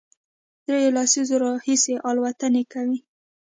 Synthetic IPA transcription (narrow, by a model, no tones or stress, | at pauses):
d̪ɾejelɑsizoɾɑhiseʔɑlwat̪ənekawi